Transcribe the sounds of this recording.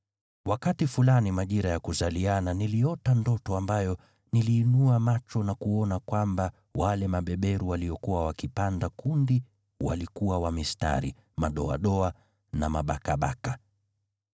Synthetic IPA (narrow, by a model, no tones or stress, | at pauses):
wakatifulanimaʄiɾajakuzaliananiliɔtandɔtɔambajɔ | niliːnuamat͡ʃɔnakuɔnakwamba | walɛmaɓɛɓɛɾuwaliɔkuwawakipandakundi | wa̰likuwawamista̰ɾḭ | maɗɔa̰ɗɔa | namaɓakaɓa̰ka